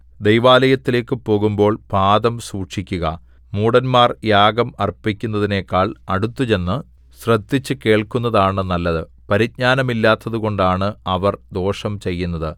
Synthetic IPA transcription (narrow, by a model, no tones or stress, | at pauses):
d̪ejʋaːlɐjɐt̪ːile̞ːkːɨpo̞ːɣumbo̞ːɭpaːd̪ɐmsuːʂikʲːuɣɐ̰ | muːɽɐnmaːrjaːɡɐmɐrpikʲːunːɐðine̞ːkːaːɭɐɽut̪ːut͡ɕe̞nːɨ | srɐd̪ːit͡ɕːɨke̞ːɭkunːɐðaːɳɨnɐlːɐðɨ | pɐɾit̪̚ɲaːnɐmilːaːt̪ːɐðuɣo̞ɳɖaːɳɨɐʋɐrd̪o̞ːʂɐmt͡ɕe̞jːunːɐðɨ